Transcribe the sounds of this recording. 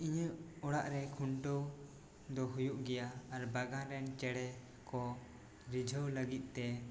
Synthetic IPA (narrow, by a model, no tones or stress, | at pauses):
iɲəɔɽaʔɾɛkʰuɳʈəw | d̪ɔɦujuʔɡɛjaːɾbaɡãɾɛnt͡ʃɛɽɛ | kɔ | ɾid͡ʒʱəwləɡit̪̚ˀt̪ɛ